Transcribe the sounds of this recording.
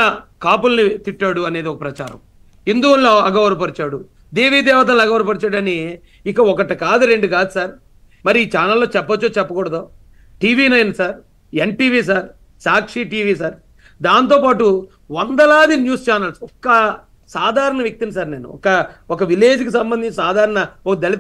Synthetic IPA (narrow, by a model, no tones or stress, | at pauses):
ɐkaːpulnit̪iʈːaːɽuɐne̞ːd̪iɔkɐpɾɐt͡ʃaːɾɐ̰m | ind̪uunloɐɡɐʋɐɾɐp̬ɐɾit͡ʃaːɽu | d̪e̞ːʋiːd̪ɛːʋɐt̪ɐlːɐɡɐʋɐɾɐpɐɾit͡ʃaːɽɐniː | kːɐɔkɐʈɐkaːd̪uɾeɳɖikaːd̪usaːɾ | mɐɾiiːt͡ʃaːnɐlːoːt͡ʃɛpːɐt͡ʃːoːt͡ʃɛpːɐkɔɽɐd̪oː | ʈiːʋiːnɐjnsaːɾ | eɳʈiːʋiːs̬aːɾ | saːkʂiʈiːʋiːs̬aːɾ | d̪aːnt̪o̞ːpaːʈu | ʋɔnd̪ɐlaːd̪injuːst͡ʃaːnɐlsɔkːɐ | saːd̪ʱaːɾɐɳɐʋjɐk̚t̪inisaːɾne̞ːnṵɔ̰kɐɔkɐʋileːd͡ʒikisɐmbɐnd̪iɲt͡ʃːɐsaːd̪ʱaːɾɐɳɐɔkɐd̪ɐlit̪